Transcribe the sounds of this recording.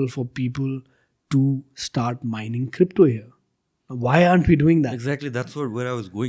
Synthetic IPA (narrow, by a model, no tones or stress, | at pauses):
əlfɔɾpiːpəl | ʈusʈaːɾʈmãɪ̃nɪ̃ŋkʰɾɪpʈoɦiəɾ | ʋaɪaːɳʈʋiːɖuːɪ̃ŋd̪æeɡzæk̚ʈlid̪æʈsɔʈʋeɾaɪʋɔzɡoːɪ̃ŋ